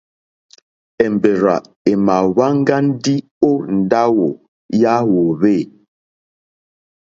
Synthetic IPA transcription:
ɛ˨m˨be˨ɾa̰˨ | e˨ma˨βa˦ŋ˦ɡa˦n̩˦di˦ | o˦n̩˨da˦wo˨ | ja˦wo˨βe˦˨

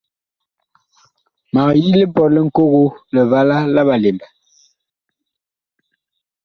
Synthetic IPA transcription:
ma˨ji˦le˦pɔ˨lɛ˦˨ŋ̩˨ko˦ɣo˦lə˨va˦la˦la˦ba˨le˨mbɛ˨

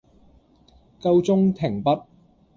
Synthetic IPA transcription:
kɐ˧wt͡sʊ˥ŋt̪ʰɪ˨˩ŋpɐ˥t̚

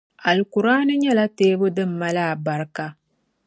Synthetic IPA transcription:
a˨lku˨ɾaː˦nɨ˦ɲɛ˦la˦teː˦bʊ˦dɨ˦mː˦a˦la˦˨ba˨ɾka˦

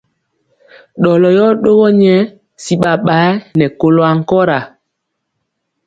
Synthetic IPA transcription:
ɗɔ˨lɔ˨jɔ˦ɗo˦ɣɔ˦ɲɛ˦ | si˨ɓa˨ɓa˨˦nɛ˨ko˨lo˨a˨ŋ˨kɔ˦ɾa˨

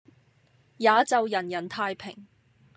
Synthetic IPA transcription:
jaː˨˧t͡sɐ˨wjɐ˨˩njɐ˨˩nt̪ʰaː˧jpʰɪ˨˩ŋ

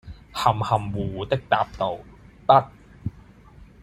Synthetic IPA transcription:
hɐ˨˩mhɐ˨˩mwuː˨˩t̪ɪ˥k̚t̪aː˧p̚t̪o˨˧wt̪ɐ˥t̚

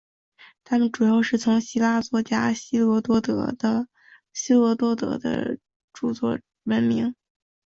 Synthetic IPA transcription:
t̪ʰa˥mə˨nʈ͡ʂu˨˩jɑ˥˧ʊʂɻ̩˥˩t͡sʰʊ˧˥ŋɕi˥la˥t͡swɔ˥t͡ɕja˥ɕi˥lɔ˧˥t̪wɔ˥t̪ɤ̰˧˥d̪ə˧ | ɕi˥lwɔ˧˥t̪wɔ˥t̪ɤ̰˧˥d̪ə̰˧ | ʈ͡ʂu˥˩t͡swɔ̰˥˩ | wə˧˥nmi˧˥ŋ

